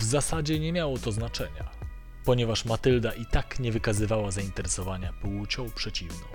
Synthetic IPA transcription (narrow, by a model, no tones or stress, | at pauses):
vzasad͡ʑɛɲɛmʲjawɔt̪ɔznat͡ʂɛɲa̰ | pɔɲɛvaʂmat̪ɘld̪aʔit̪akɲɛvɘkazɘvawazaint̪ɛɾɛsɔvaɲapwut͡ɕɔ̃w̃pʂɛt͡ɕivnɔ̃